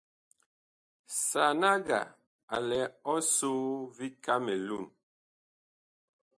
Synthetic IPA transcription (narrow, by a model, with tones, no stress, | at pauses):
sa˨na˦ɡa̰˨ | a˨lɛ˨˦ɔ˦so˦vi˦ka˦me˨lu˦˨n